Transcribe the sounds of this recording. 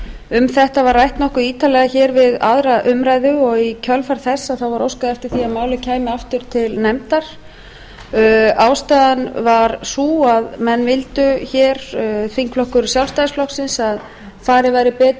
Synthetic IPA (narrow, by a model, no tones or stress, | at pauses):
ʏmθɛht̪avaɾrajht̪nɔhkʏiːt̪alɛɣaçɛːɾvɪða̰ðɾaʔʏmɾaːjðʏɔɣicʰœlfaɾ̥θɛsːaðθawvaɾowskaðɛft̪ɪɾ̥θiaðmaːwlʏcʰaːjmɪaft̪ʏɾ̥t̪ʰɪlnɛmt̪aɾ̥ | awst̪ajðanvaɾsuːaðmɛnːvɪlt̪ʏçɛːɾθiŋkflɔhkʏɾʏsjawlst̪ajɪsflɔhksɪnsað | faːɾɪvajɾɪpɛːt̪